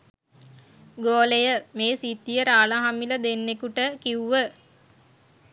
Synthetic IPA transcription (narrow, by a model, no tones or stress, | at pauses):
ɡoːlejəmeːsit̪ːijəɾaːləɦamiləd̪enːekuʈəkiuʋə